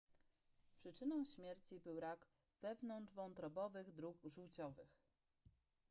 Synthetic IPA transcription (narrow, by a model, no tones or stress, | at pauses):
pʂɘt͡ʂɘnɔ̃w̃ɕmʲjɛɾt͡ɕibɘwɾaɡ | v̥ɛvnɔnd͡ʐvɔ̃ñt̪ɾɔbɔvɘɣd̪ɾukʐuwt͡ɕɔvɘx